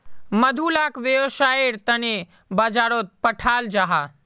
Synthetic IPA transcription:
məd̪ʱulaːkʋeʋəʃaːeɾt̪əne | bad͡ʒaːɾot̪̚pəʈʰaːld͡ʒaɦa

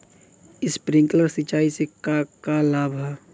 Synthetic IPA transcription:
ɪspɾɪ̃ŋkləɾsɪt͡ʃaːisekakalaːbʱa

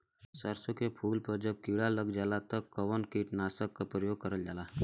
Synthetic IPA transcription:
səɾsõkepʰuːlpɐɾd͡ʒəb̚kiːɽaləɡd͡ʒaːlat̪əkːɐʋənkiːʈnaːsəkːapɾəjoːɡ̚kəɾəld͡ʒaːlaː

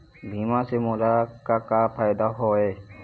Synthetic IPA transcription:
bʱimãsemoɾakakapʰajd̪aɦɔe

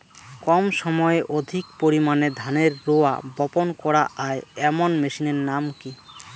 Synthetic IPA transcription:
kɔmʃɔmɔeʔod̪ʱikpoɾimaned̪ʱaneɾːoa̰bɔponkɔɾaʔaeɛmonmeʃineɾnamki

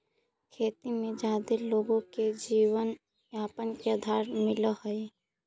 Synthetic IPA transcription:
kʰeːt̪imẽd͡ʒaːd̪eloːɡõked͡ʒiːwən | aːpənkeəd̪ʱaːɾmɪləhəe

